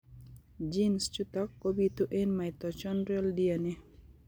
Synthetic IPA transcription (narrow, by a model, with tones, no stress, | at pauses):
d͡ʒi˦nst͡ʃu˦t̪ɔ˦kːo˦bit̪u˦ʔe˦nmaɪ˨t̪ɔ˨t͡ʃɔnɾjɔ˦ldiənɪ˦